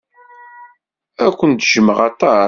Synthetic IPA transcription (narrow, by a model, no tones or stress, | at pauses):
ækʷːənt̪ʒəməʁɑt̪ˤːɑ